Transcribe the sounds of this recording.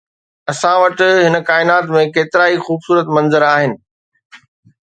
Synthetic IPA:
ɐsãʋɐʈɪ̆ɦɪnə̆kaːɪnaːt̪mẽkeːt̪ɪɾaːixuːbsuːɾət̪mɐ̃nzəɾaːɦɪnɪ̆

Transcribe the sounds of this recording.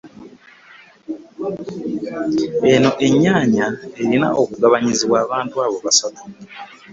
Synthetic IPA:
e̞no̞ʔe̞ɲaːɲae̞ɾina̰ʔokuɡaβaɲiziβwaːβaːntuaβo̞βasato̥

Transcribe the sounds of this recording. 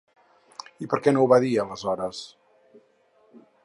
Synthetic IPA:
ipəɾkɛnowβaðiələzɔɾəs

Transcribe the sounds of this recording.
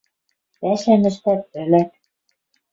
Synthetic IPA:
pæʃænɘ̆ʃt̪æt̪̚ɘ̆læt̪̚

